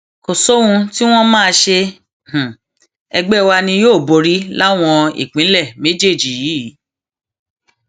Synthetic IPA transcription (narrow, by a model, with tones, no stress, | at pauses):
ko˨so˦hũ˧ti˦w̃ɔ̃˦mãː˦˧ʃe˧ | h̩˨ | ɛ˧ɡ͡bɛ˦˨wa˧nĩ˧joː˦˨bo˧ɾi˦la˦w̃ɔ̃˧ḭ˦˨k͡pĩ˨˦lɛ˦˨me˦d͡ʒe˦˨d͡ʒi˨ji˨˦˨